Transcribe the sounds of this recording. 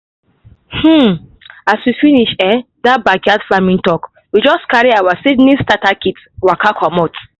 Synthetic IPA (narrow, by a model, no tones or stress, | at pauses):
h̩aswifiniʃɛ̃ | dabaɡadfamĩntɔk | wid͡ʒɔskaɹiawasidnĩstatakit | wakakʰɔmɔt